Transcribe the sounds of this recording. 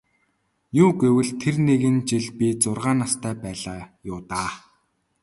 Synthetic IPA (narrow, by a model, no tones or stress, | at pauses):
juːɡewɘ̆ɮt̪ʰerneɣɘ̆nt͡ɕiɮpit͡sʊrʁaːnast̪ʰæːpæːɮaːjʊːt̪aː